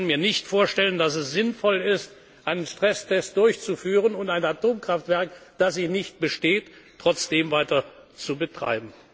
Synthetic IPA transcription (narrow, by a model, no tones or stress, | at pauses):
nmiːɐnɪçtfoːɐʃtɛləndasɛsz̥ɪnfɔlɪst | ʔaɪnənʃtʁ̥ɛstʰɛst̚d̥ʊɐçt͡sufyːʁ̞ənʊntaɪnatoːmkʁ̥aftv̥ɛɐkd̥asiːnɪçt̚b̥əʃteːtː | ʁ̥ɔt͡sd̥eːmvaɪtɐt͡subətʁ̥a̰ɪbm̩